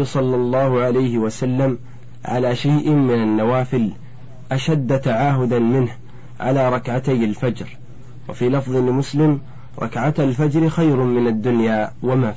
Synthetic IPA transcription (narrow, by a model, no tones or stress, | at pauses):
sˤɑlːɑlˤːɑːhʊʕalajhɪwasalːam | ʕa̰laːʃajʔɪmɪnanːawaːfɪl | ʔaʃad̪ːat̪aʕaːɦʊd̪anmɪnh | ʕa̰laːɾˤɑkʕat̪ajalfad͡ʒɾ | wa̰fiːlɑfðˤɨlɪmʊslɪm | ɾˤɑ̰kʕat̪alfad͡ʒɾɪxajɾʊmɪnad̪ːʊnjaːwama